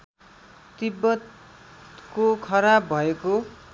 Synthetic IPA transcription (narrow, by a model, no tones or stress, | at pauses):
t̪ibːʌt̪ | kokʰʌɾabʱʌeko